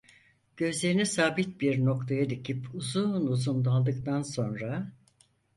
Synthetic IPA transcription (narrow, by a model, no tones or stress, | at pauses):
ɟ̥ø̞zlʲe̞ɾinisaːbit̪̚biɾno̞kt̪ʰajad̪icʰipʰuzunuzund̪alˠd̪ɯkt̪anso̞nɾa